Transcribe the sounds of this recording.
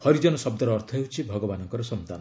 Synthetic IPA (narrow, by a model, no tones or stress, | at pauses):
hɔɾid͡ʒɔnɔsɔb̚d̪ɔɾɔːɾt̪ʰɔɦeɦut͡ʃʰibʱɔɡɔbanɔŋkɔɾɔsɔnt̪a̰nɔ